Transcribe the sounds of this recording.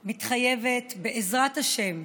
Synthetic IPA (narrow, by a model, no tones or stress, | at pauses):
mitχaje̞vetbeʔezʁathaʃe̞m